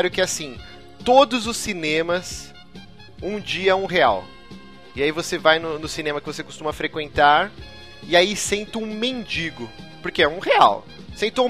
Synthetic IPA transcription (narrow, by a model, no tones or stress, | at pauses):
ɾʊkɪasĩ | t̪od̪ʊzʊsːinẽmɐs | ũd͡ʒiɐɛũɦea̰w | ɪaivosevajnʊnʊsinẽmɐkɪvosekost̪ũmɐfɾekwẽnt̪aɾ | ɪaisẽnt̪ɪũmẽnd͡ʒiɡʊpoɾkeɛũhea̰w | sẽnt̪ɪũ